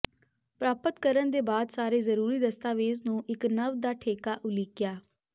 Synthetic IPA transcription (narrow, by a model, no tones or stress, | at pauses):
pɾaːpət̪kəɾənd̪eːbaːd̪saːɾeːzəɾuːɾiːd̪əst̪aːʋeːznũːʔɪknəʋd̪aːʈʰeːkaːʔʊliːkjaː